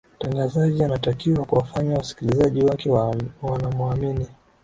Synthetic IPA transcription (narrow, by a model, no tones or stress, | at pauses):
m̩taŋɡazaʄianatakiwakuwafaɲawasi̥kilizaʄiwakɛwanamuamini